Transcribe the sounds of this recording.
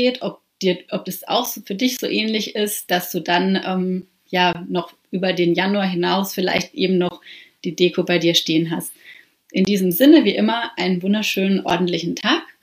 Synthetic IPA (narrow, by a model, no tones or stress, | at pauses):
eːtʔɔp̚d̥iːɐʔɔp̚d̥asa̰ʊxfyːɐdɪçz̥o̰ːʔɛːnlɪçɪstd̥asd̥uːdanʔɛːm | jaːnɔχʔyːbɐdeːnjanuaːɦɪnaʊsfɪla̰ɪçtʔeːbm̩nɔχd̥iːdeːkʰobaɪdiːɐʃteːənɦast | ʔɪndiːzəmzɪnəviːʔɪmɐʔaɪnənvʊndɐʃøːnənʔɔ̰ɐdn̩tlɪçn̩tʰaːk